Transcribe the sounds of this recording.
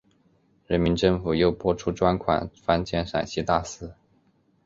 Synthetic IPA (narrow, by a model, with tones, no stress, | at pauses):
ɻə˧˥nmi˧˥nʈ͡ʂɤ˥˩ŋfu˨˩jo˥˩ʊpwɔ˥ʈ͡ʂʰu˥ʈ͡ʂwa˥nkʰwa̰˨˩nfa˥nt͡ɕjɛ˥˩nʂa̰˨˩nɕi˥t̪a˥˩sɹ̩˥